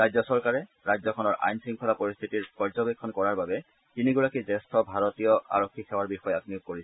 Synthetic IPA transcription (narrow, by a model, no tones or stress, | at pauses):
ɹajzɔsɔɹkaɹɛ | ɹajzɔkʰɔnɔɹʔa̰jnsiŋkʰɔnapoɹist̪ʰitiɹpɔɹzɔbekʰːɔnkɔɹaɹbabɛ | tiniɡuɹakizɛstʰɔbʱaɹɔtijɔa̰ɹɔkʰːixɛwaɹbixɔjɛakniuk̚kːoɹisɛ̥